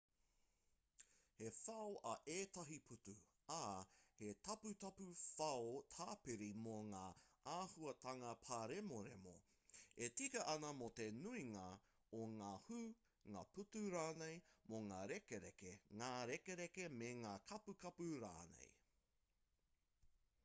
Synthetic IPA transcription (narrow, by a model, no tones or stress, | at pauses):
hefɐoʔɐʔeːtɐɦipʰutu | ahetɐputɐpufɐot̪ʰaːpiɾimoŋaːʔaːhuɐt̪ʰɐŋɐpʰaɾemoɾḛmo̰ | etikɐʔɐnɐmot̪e̞nuiŋɐ | oŋaːhu | ŋa̰ːputuɾaːnejmoŋaːɾekeɾekeŋaːɾekeɾekemeŋaːkʰɐpukɐpuɾa̰ːnḛj